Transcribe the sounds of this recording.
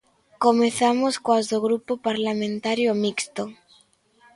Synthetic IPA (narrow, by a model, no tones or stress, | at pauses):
komeθamoskoazðoɣɾupopaɾlamẽnt̪aɾjomikst̪oŋ